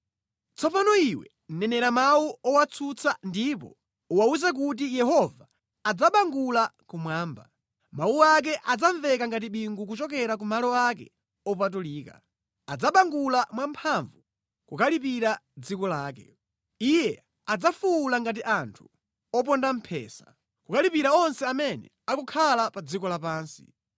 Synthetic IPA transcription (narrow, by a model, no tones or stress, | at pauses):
t͡sʰɔpanɔiwɛ̰ | n̩nɛnɛɾamawuɔwat͡sʰut͡sʰandip̬ɔ̰ | uwauzak̬ut̬ijɛɦɔvaː | d͡zaɓaŋɡulakumwaːmba̰ | mauak̬ɛʔad͡zaɱvɛkaŋɡat̬iɓiŋɡuk̬ut͡ʃɔk̬ɛɾak̬umalɔakɛ̰ | ɔp̬at̬uliːka̰ | ad͡zaɓaŋɡulamwampʰaɱvu | kukalipiɾad͡zikɔlaːkɛ̰ | ijɛ | ad͡zafuːlaŋɡat̬iʔantʰu̥ | ɔp̬ɔndam̩pʰɛ̰ːsḁ | kukalipiɾaɔnsɛamɛnɛ̰ | akɔkʰalapad͡zikɔlapaːnsḭ